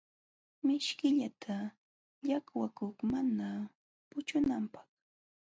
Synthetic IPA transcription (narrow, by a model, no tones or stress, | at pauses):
mɪʃkɪʎat̪ʰa | ʎakwakʊχmana | pʊt͡ʃʊnampɑ̥χ